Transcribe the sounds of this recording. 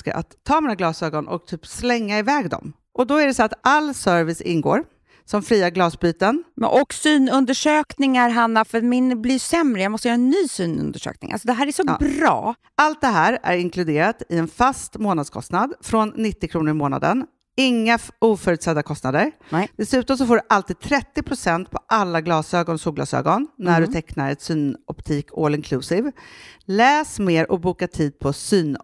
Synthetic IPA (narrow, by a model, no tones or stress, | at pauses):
ka̰ʔa̰t̪ʰːɑːmiːnaɡlɑːsøːɡɔnʔɔ̰k̚t̪ʰyːpslɛŋːaɪvɛːɡd̪ɔ̰m | ʔɔd̪ɔæɖɛsɔat̪alːsœɾvɪsɪ̰nːɡo̰ːɾ | sɔmfɾiːaɡlɑːsbyːt̪ənmɛ̰ʔɔksyːnɵnd̪əʂøːknɪŋaɾɦanːafœɾmɪnblɪɾjsɛmɾəjamɔst̪əjːɾɛnːyːsyːnɵ̰nd̪əʂø̰ːk̚nɪ̰ŋʔa̰lsɔd̪ɛɦæːɾæʂɔbɾɑ̰ː | ʔalt̪̚d̪ɛɦæːɾæ̰ɾɪŋkʰlɵd̪eːɾat̪ɪɛnfast̪moːnad̪skʰɔ̰st̪nad̪fɾɔnːɪt̪ːɪkʰɾuːnəɾɪmoːna̰d̪ə̰n | ɪŋːauːfœːɾʉːt̪sɛd̪ːakʰɔst̪nad̪əɾd̪̥ɛsʉ̟ːt̪ɔms̬ɔfoːɖɵʔalt̪iːd̪̚t̪ʰɾɛt̪ːɪpʰɾʊsɛnt̪̚pʰɔʔalːaɡlɑːsøːɡɔnsuːɡlɑ̰sø̰ːɡɔnːnːæɖɵt̪ʰɛknaɾɛt̪syːnɔpt̪ʰiːkʰɔːlɪŋkʰlʉːsɪvlɛːsmeːɾʔɔk̚buːkaʈʰiːd̪̚pʰɔsyːn